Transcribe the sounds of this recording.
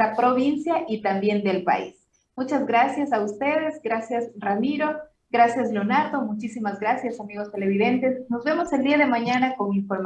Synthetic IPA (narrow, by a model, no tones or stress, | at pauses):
apɾo̞βinsjaʔit̪ambje̞nd̪e̞lpa̰ḭs | mut͡ʃazɣɾasjasaust̪e̞ðe̞zɡɾasjasramiɾo̞ | ɡɾasjazlonat̪o̞mut͡ʃisimazɡɾasjasamiɣo̞st̪e̞le̞β̞iðe̞nt̪e̞sno̞zβe̞mo̞se̞ld̪iaðe̞maɲanako̞ŋiɱfo̞ɾm